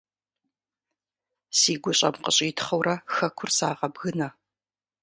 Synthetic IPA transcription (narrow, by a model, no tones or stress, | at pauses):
siːɡʷʊɕʼɐ̰mqəɕʼiːtʰχɐwɾɐxɐkʷʰʊrsaːʁɐbɣɨnɐ